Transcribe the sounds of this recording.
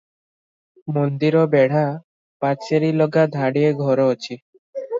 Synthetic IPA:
mond̪iɾɔbɛɽ̤a | pat͡ʃseɾilɔɡad̪ʱaɽieɡʱɔɾoːt͡ɕʰi

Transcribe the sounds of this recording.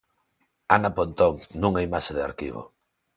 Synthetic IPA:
anapont̪oŋnũŋaimaʃeðea̰ɾkḭβ̞o̰

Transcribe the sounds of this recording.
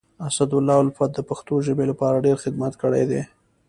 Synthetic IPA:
asad̪ʊlːɑalfat̪̚d̪əpaxt̪oʒəbelapɑɾaɖeɾxɪd̪mat̪kəɽajd̪e

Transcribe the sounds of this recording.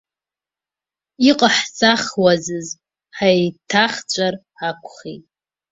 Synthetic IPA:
iqʼaħsʼaχwazɨz | ħaetʰaχt͡ɕʷʼarħakʷʰʼχḛtʼ

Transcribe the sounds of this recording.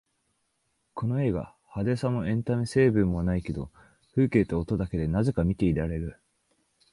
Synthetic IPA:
kʰo̞no̞e̞ːɡa̰ | had̪e̞sãmo̞ẽ̞nt̪amese̞ːbɯ̟̃mːo̞naike̞d̪o̞̰ | ɸɯ̟ːke̞ːt̪oːt̪o̞d̪ake̞d̪e̞naze̞kamʲit̪e̞iɾaɾe̞ɾɯ̟

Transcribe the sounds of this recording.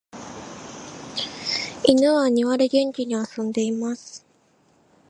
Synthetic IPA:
inɯβaɲ̟iβaɾeɡẽ̞ɲ̟kʲiɲ̟iasõ̞nd̪e̞imasɨ̥

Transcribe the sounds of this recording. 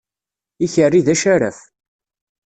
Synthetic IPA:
içərːiðæʃaɾæ̰f

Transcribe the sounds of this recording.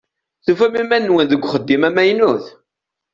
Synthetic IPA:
θufæmimænːwənðəɡʷːχəd̪ːimæmæjnuθ

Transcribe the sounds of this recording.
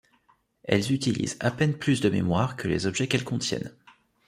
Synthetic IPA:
ɛ̰lzyt̪ilḭzapɛnplysd̪əmḛmwaʁkʰəlḛzɔbʒɛkɛlkɔ̃t̪jɛ̰n

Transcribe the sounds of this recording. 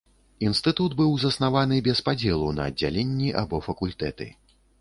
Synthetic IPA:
inst̪ɨt̪ud̪bɨwzɐsnavan̪ɨbʲɛspad͡zʲɛlˠunɐ̰ːdd͡zʲːa̰lʲenʲːiʔa̰bɔfɐkulʲt̪ɛt̪ɨ̰

